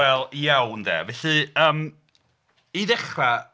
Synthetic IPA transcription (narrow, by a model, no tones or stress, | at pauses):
ɛlˠjawnðɛ̰ːvɛɬɨəːm | iðɛχra